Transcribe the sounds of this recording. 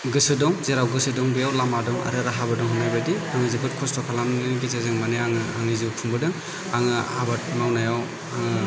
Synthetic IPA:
ɡɯsɯdɔŋzeɾawɡɯsɯdɔŋbɯjawlamadɔŋa̰ɾɯɾaɦabɯdɔŋɦunajbadihaŋɯzɯbʰɯt̚kʰɔstʰɔkʰalamnɯɡizezeŋmaneaŋɯhaŋɯzɯpʰuŋbɯdɯŋ | aŋɯabat̚mawnajaw | aŋ

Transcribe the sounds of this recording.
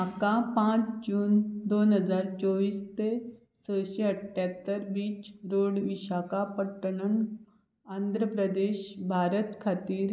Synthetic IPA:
akapãt͡sd͡ʑuːnd̪onɦəd͡zaɾt͡sɔʋiːst̪e | səɕeəʈʰːjat̪ːəɾʋiːt͡ɕɾoɽʋiɕakapəʈːəɳəɳ | and̪ʱɾəpɾəd̪eɕbʱaɾət̪kʰat̪iːɾ

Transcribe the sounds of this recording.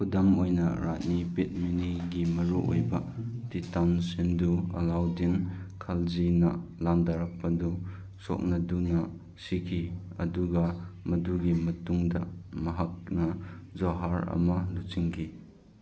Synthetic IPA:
kʰudɐmojnɐ̰ɾa̰t̚nipit̚miniɡimɐɾuo̰jbɐtitawnsinduɐ̰lawdinkʰalzinɐlamdaɾak̚pɐdu | so̰k̚nɐdunɐ | sikʰiɐ̰duɡɐmɐduɡimɐtuŋdɐ̰mɐɦak̚nɐzoɦaɾɐ̰mɐlusiŋkʰi

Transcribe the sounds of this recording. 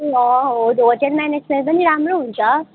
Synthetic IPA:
ʌ̃ɦod̪od͡ʑenmɛned͡ʑment̪̚pʌniɾamɾoɦunt͡sʰʌ

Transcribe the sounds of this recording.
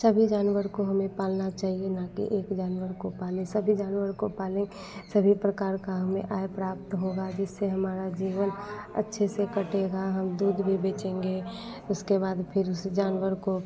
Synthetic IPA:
səbʱid͡ʒaːnwəɾkoɦəmẽpaːlnat͡ʃaːɦienakḭʔeːkd͡ʒaːnwəɾkopaːlẽsəbʱid͡ʒaːnwəɾkopaːlẽ | səbʱipɾəkaːɾkaɦəmḛ̃ʔaːepɾaːp̚t̪ɦoɡad͡ʒɪsːeɦəmaːɾad͡ʒiːʋənə̰tːʃʰesekəʈeɡaɦəmd̪uːd̪bʱibeːt͡ʃẽːŋɡe | ʊskebaːd̪pʰɪɾʊsd͡ʒaːnwəɾko

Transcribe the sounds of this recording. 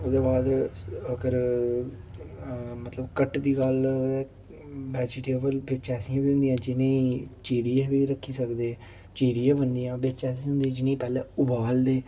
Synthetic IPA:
ʊːd̪eːbaːd̪əkəɾ | mət̪ləbkəʈd̪iːɡəlɛː | ʋɛːd͡ʒɪʈeːbəlbɪt͡ʃɛːsĩãːbiːɦʊ̃nd̪ijãːd͡ʒɪnẽĩt͡ʃeːɾijeːʋiːɾəkʰːiːsəkd̪eː | t͡ʃeːɾijãːbənd̪ijãːbɪt͡ʃɛːs̬ĩɦʊ̃nd̪id͡ʒɪnẽĩːpɛːlɛ̃ːʊbaːld̪eː

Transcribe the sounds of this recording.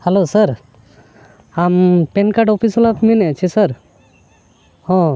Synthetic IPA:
hɛlosəɾ | ampɛnkaɖɔpʰisɔlapminɛt͡ʃʰɛsəɾ | hɔ̃

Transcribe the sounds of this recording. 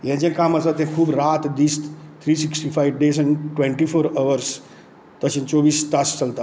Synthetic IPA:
jẽd͡ʒẽkaːmasat̪ẽkʰuːbɾaːt̪d̪iːst̪t̪ʰɾiːsiksʈifʰajʋɖeːs̬ɛ̃ɳʈwẽɳʈifʰoːɾəʋəɾs | t̪əʃə̃nt͡ʃoːʋiːst̪ast͡ʃəlt̪a

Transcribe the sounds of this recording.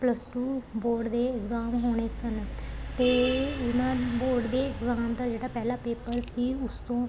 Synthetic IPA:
pləsʈuːboːɾɖd̪eːɪkzaːmɦoːɽ̃eːsənt̪eːʊnãːboːɾɖd̪eːɪkzaːmd̪aːd͡ʒeːɽaːpɛːlaːpeːpəɾsiːʊst̪õː

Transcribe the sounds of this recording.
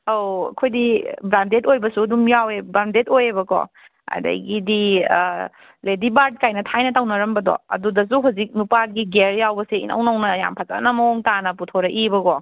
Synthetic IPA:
owɐ̰kʰojdibɾandetojbɐsuɐdumjawebɾandetojebɐkɔ̰ | a̰dɐ̰jɡidi | ledibaɾd̚kajnɐtʰajnɐtawnɐɾɐmbɐdɔ̰ɐ̰dudɐsuɦuzik̚nupaɡiɡeɾjawbɐseḭnʔɐ̰wnɐwnɐja̰mpʰaza̰nɐmɐoŋtanɐputʰoɾɐʔibɐkɔ

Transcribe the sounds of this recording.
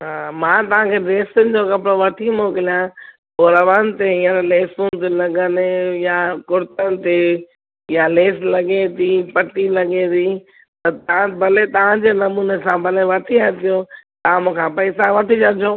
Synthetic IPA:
ɦaːmãːt̪ɐʋ̤ãkʰeɖeːsənɪ̆d͡ʑoːkɐpɽoʋɐʈʰimoːkɪlijã | oːɾɐʋaːnt̪eĩːə̃nleːsũnt̪̬elɐɡənjakʊɾɪt̪ənɪ̆t̪e | jaleːslɐɡet̪ʰipɐʈilɐɡet̪iː | t̪ɐt̪ɐãbʱɐlet̪ɐʋ̤ãd͡ʑeːnɐmuːnesãbʱɐleʋɐʈʰiat̪ʰijot̪ɐãmũːkʰãpɐɪsaʋɐʈʰid͡ʑɐd͡ʑʰõː

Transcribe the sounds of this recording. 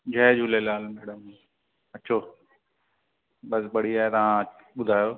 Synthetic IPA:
d͡ʑʱɐːd͡ʑʱuːlelaːlmɛːɽəm | ɐt͡ɕʰoː | ɓɐsbɐɽ̤iaːɦet̪ɐʋ̤ã | ɓʊd̪ʱaːjoː

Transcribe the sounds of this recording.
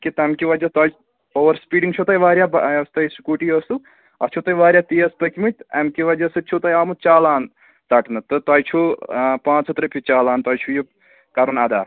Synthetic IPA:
kit̪ɐmkiʋɐd͡ʒɐt̪ɐj | oːʋɐɾspiːɖiŋt͡ʃʰut̪ɐjʋaːɾʲjaːbɐst̪ɐjsu̥kuʈiɐst̪u | ɐ̰t͡ʃʰut̪ɐjʋaːɾʲjaːt̪iɐspɐkimɨt̪ʲɐmkiʋɐd͡ʒɐsɨt͡ʃʰut̪ɐjaːmut͡ʃaːlaːn | t̪ɐʈnɨt̪ɨt̪ɐjt͡ʃʰupãːt͡sɦɨt̪ɾɨpʰit͡ʃaːlaːnt̪ɐːjt͡ʃʰuju | kɐɾunaːd̪a̰ːɾ

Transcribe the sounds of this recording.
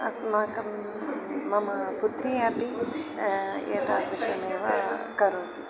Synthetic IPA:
ɐ̰smaːkɐm | mɐmaput̪ɾiɐpi | ḛːt̪aːk̪uʃɐneːʋa̰kɐɾoːt̪i

